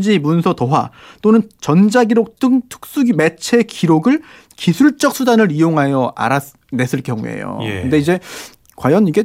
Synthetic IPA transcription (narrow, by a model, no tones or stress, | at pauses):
d͡ʑimunsʰʌtʌɦwa̰ | t͈onɯnt͡ɕʌnd͡ʑaɡiɾok̚t͈ɯŋtʰɯ̥k̚s͈uɡime̞t͡ɕʰe̞kiɾoɡɯɭ | kisʰuɭt͡ɕ͈ʌk̚s͈ʰudanɯɾijoŋɦajʌa̰ɾas | ne̞sʰɯɭkjʌŋṵe̞̰jo̰kɯnde̞id͡ʑe̞ | kwajʌniɡe̞